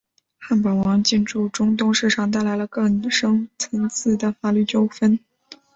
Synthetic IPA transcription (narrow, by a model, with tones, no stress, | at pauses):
xa˥˩npɑ˨˩wɑ˧˥ŋt͡ɕi˥˧nʈ͡ʂu˥˩ʈ͡ʂʊ˥ŋt̪ʊ˥˧ŋʂɻ̩˥˩ʈ͡ʂʰɑ˨˩ŋt̪a˥˩ɪla˧˥ɪlə˧kɤ˥˩ŋʂɤ˥ŋt͡sʰə˧˥ŋt͡sʰɹ̩˥˩d̪ə˩fa˨˩ly˥˩t͡ɕjo˥ʊfə˥n